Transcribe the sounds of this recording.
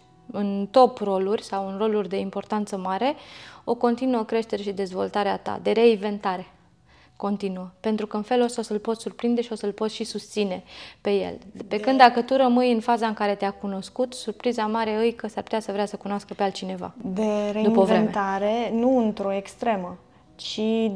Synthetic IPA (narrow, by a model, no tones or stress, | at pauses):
ɨnt̪o̞pro̞lurʲsawɨnro̞lurʲd̪e̞impo̞rt̪ant̪səmaɾe̞o̞ko̞nt̪inuokɾe̞ʃt̪e̞ɾe̞ʃid̪e̞zvo̞lt̪aɾea̰t̪a̰d̪e̞ɾe̞iɱve̞nt̪aɾe̞ | ko̞nt̪inuəpe̞nt̪ɾukəɨnfe̞lo̞sosəlpo̞t̪surpɾind̪e̞ʃio̞səlpo̞t̪ʃisust̪sine̞pe̞je̞̰lpe̞kɨnd̪akət̪uɾəmɨjɨnfazaɨŋkaɾe̞t̪eakuno̞skut̪surpɾizamaɾe̞ɨjkəsarpu̥t̪ʲasəvɾeasəkunaskəpealt̪t͡ʃine̞va̰d̪eɾed̪uipəovɾeenmet̪aɾenuɨnt̪ɾo̞ekst̪ɾe̞mə | t͡ʃi